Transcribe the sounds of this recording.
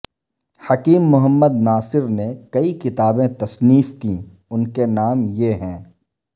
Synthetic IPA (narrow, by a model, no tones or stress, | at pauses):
hɐkiːmːʊɦəmːəd̪naːsɪɾnekɐikɪt̪aːbẽt̪ɐsniːfki | ʊnkenaːmjeɦɛ̃ː